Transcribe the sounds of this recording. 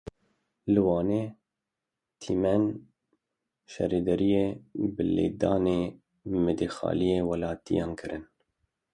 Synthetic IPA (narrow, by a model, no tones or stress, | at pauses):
lɨwɑːneː | t̪ʰiːmɛn | ʃɛ̰ɾeːd̪ɛɾijeːbɨlḛːd̪ɑːneː | mɨd̪exɑ̰ːlijeːwɛlɑːt̪ḭjɑːnkʰɨɾʔɨn